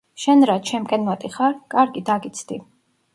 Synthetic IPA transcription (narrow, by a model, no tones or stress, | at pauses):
ʃɛnɾat͡ʃʰɛmkʼɛnmɔt̪ʼiχaɾkʼaɾɡid̪aɡit̪sʰd̪̥i